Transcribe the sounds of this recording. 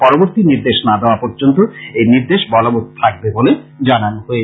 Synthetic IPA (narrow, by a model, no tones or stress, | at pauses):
pɔɾoboɾt̪iniɾd̪eʃnad̪eoapɔɾd͡ʑont̪oejniɾd̪eʃbɔlobot̪t̪ʰak̚beboled͡ʑananoɦoe